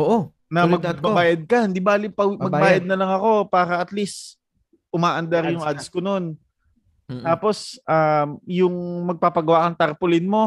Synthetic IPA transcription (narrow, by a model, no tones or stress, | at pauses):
oʔo | nɐmɐɡ̚bɐbaːjɐd̪̚kɐhɪnd̪ibaːlɪpɐwmɐɡbaːjɐd̪̚nɐlɐŋɐko̞paːɾɐʔɐt̪list̪ | ʔʊmaːʔɐnd̪ɐɾjʊŋʔad̪skono̞n | aːpo̞sʔamjʊŋmɐɡ̚papɐɡɐwaʔkɐŋt̪ɐɾpʊlɪnmo̞